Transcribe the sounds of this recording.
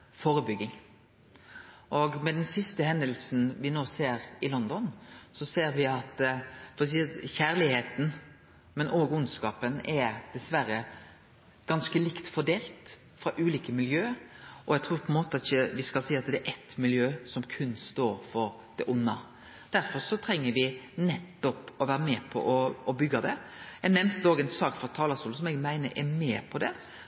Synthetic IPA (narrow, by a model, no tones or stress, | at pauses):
foːɾəbʏɡɪŋ | ʔɔɡmɛd̪ɛnsɪst̪əhɛnd̪əlsn̩ʋɪnoːseːɾɪlɔnd̪ɔnsɔseːɾʋɪɑt̪fɔɾɛs̬iːçæːʁlɪheːt̪n̩ | mɛnʔoːɡʉnskɑːpənɛd̪̥ɛsʋæɾə | ɡ̥ɑnskəlɪkt̪fɔɖ̪eːlt̪ | fɾɑʔʉːliːkəmɪljøːʔɔɛɡt̪ʰɾuːɾpʰɔɛnmoːt̪ɑt̪ɪçəʋɪskɑlsiːɑt̪d̪ɛæʔɛt̪mɪljøːsɔmkʰʉnːst̪oːɾfɔɾ | d̪̥ɛʔʊnːɑ | d̪̥æɾfɔɾsɔt̪ʰɾɛŋːəɾʋɪnɛt̪ːɔpɔʋæːɾəmɛːpʰɔ̰ʔɔɔbʏɡːɑd̪ɛjæɡnɛmt̪əoːɡɛɪnsɑːkfɔɾt̪ʰɑːlɑst̪uːl̩sɔmɛɡmæɪnəɾʔɛ̰meːpʰɔd̪ɛ